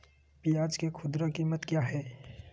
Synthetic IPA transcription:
pijaːd͡ʒkekʰʊd̪ɾəkiːmət̪kjaːɦɛː

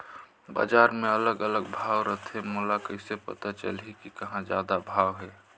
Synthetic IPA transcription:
ba̰ːd͡ʒaːɾmẽələɡələɡ̚bʱaːʋɾət̪ʰemolakəɪsepə̰t̪at͡ʃə̰lekikəɦãd͡ʒjaːd̪abʱaːwɦɛː

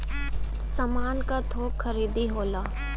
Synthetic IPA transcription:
sɐmaːnkat̪ʰoːxʰɐɾiːd̪iɦoːlaː

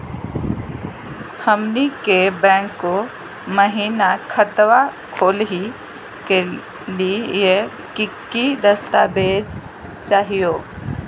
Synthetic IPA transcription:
həmnikebɛ̃ːŋkːo | məɦiːnakʰət̪wa | kʰoːlɦi | ke | lije | kikːid̪əst̪abeːd͡ʒ | t͡ʃaːɦijoː

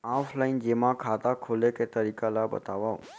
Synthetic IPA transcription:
aflaind͡ʒemãkʰat̪akʰoleket̪əɾikalabə̰t̪aʋao̰

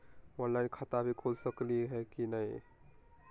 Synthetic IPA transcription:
ɔnlaɪnkʰət̪abʱikʰod͡ʒsəkliɦekinəj

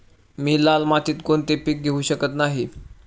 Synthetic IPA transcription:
miːlalmat̪iːt̪kont̪epik̚ɡʱeuːɕəkət̪naɦi

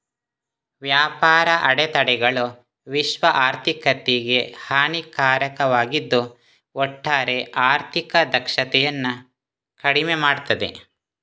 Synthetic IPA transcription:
ʋjaːpaːɾɐʔɐɽɛt̪ɐɽɛɡɐɭu | ʋiʃʋɐʔaːɾt̪ʰikɐt̪ːiɡe̞haːnikaːɾɐkɐʋaːɡid̪ːu | ɔʈːaːɾe̞ʔaːɾt̪ʰikɐd̪ɐkʂɐt̪ɛjɐnːu | kɐɽimemaːɽt̪ɐd̪e̞̰

